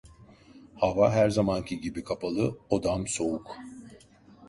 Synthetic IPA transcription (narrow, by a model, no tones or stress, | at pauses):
havaɦæɾzamancʰiɟibikʰapʰalˠɯod̪amso̞uk